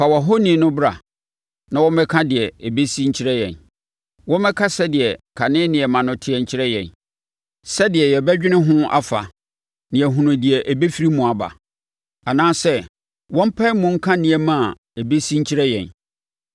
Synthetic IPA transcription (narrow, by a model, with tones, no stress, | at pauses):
fa˨wa˨ɦo˦nĩ˨nʊ̃˦bɾa̰˨ | nã˦wɔ̃˦mɛ˦kʰã˦dɪ˨ɛ˨e˨be˦si˦ɲ̩˦t͡ɕʰi˦ɾɛ˦jɛ̰̃˨n | wɔ̃˦mɛ˦kʰa˦sɛ˦dɪ˨ɛ˨kʰa˨nɪ̃˦nɪ̃˨ɛ˨mã˨nʊ̃˦tʰɪ˦ɛ˨ɲ̩˨t͡ɕʰɪ˦ɾɛ˦jɛ̰̃˨n | sɛ˦dɪ˨ɛ˨jɛ˨bɛ˦d͡ʑᶣɪ̃˦nɪ̃˦ɦʊ̃˦a̰˦fa̰˨ | nɪ̃˨ɛ˨ɦũ˨nʊ̃˨dɪ˨ɛ˨ʔæ˨be˦fi˦ɾi˦mũ˨a˨ba̰˨ | a˨nãː˦sɛ˦ | wɔ̃˦m̩˦pʰa˦mʊ̃˨ŋ̩˦kʰã˦nɪ̃˨ɛ˨mã˦˨ | e˨be˦si˦ɲ̩˦t͡ɕʰi˦ɾɛ˦jɛ̰̃˨n